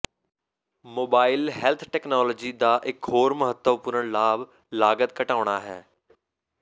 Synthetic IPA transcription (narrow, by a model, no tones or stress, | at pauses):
moːbaːɪlɦɛːlt̪ʰʈɛːknaːlɔːd͡ʒiːd̪aːʔɪkɦoːɾməɦət̪ːəʋpʊɾəɳlaːb | laːɡət̪̚kəʈaːʊɳ̃aːɦɛː